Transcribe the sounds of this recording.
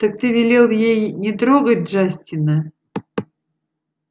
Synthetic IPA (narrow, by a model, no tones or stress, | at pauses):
t̪ək̚t̪ɨvʲɪlʲelˠjejnʲɪt̪ɾoɡət̚ʲʐasʲtʲɪnə